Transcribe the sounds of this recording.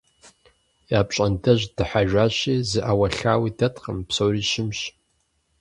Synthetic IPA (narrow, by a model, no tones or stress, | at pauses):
jaːpɕʼɐndɐʒd̥ɨħaʒʷᶣaːɕiːzɨʔawɐɬaːwiːdɐtʰqəmpsowriːʃɪmɕ